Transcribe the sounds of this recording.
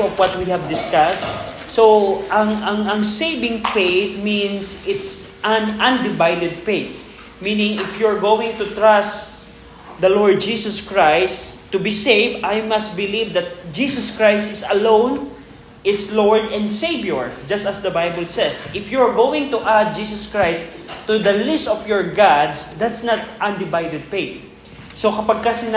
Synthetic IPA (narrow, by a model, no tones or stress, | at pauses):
ɔvwɐt̪̚wihɐvd̪ɪskast̪̚ | soʔɐŋɐŋɐ̃ŋsejvɪ̃ŋpetmĩnsʔɪt̪sʔanɐ̃nd̪ɪvajd̪ɛd̪̚pet̪̚ | mĩnɪ̃ŋɪfjʊɹɡowɪ̃ŋt̪ʊt̪ɹas | d̪ɐlɔɹd̪̚d͡ʒisɔskɹajst̪ːʊbiseɪvd̪ʔajmɐst̪̚bɪlivd̪ɐt̪̚d͡ʒisɔskɹajst̪ɪsɐlõwn | ɪslɔɹd̪ɛ̃nd̪sejbjɔɹd͡ʒɐst̪ɐsd̪ɐbajbəlsɛsʔɪfjʊɹɡowɪ̃ŋt̪uʔad̪̚d͡ʒisɔskɹajst | t̪ːud̪ɐlɪst̪ɔfjɔɹɡad̪sd̪at̪snat̪̚ʔɐ̃nd̪ɪvajd̪ɛd̪̚pet̪̚ | sokɐpaɡ̚kɐsɪn